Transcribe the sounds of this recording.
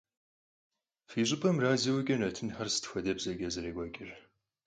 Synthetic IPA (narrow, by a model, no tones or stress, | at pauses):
fiːɕ̬ʼɪpʼɐmraːzɐwɐɡʲʼɐnɐtʰɨnxɐrsɨ̥txʷɐdɐbzɐɡʲʼɐzɨɾeːɡʷɐkʲʼɪr